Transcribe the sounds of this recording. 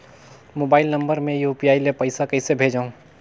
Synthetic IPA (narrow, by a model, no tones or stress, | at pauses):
moːbaːɪlnɐ̃mbəɾmẽjuːpiaːilepɐɪsakɐɪsebʱeːd͡ʒaːũ